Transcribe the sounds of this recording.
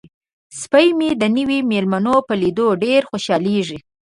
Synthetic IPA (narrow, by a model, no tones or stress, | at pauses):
spəjmid̪ənəwimelmanopəlid̪oɖeɾxoʃɑleʐi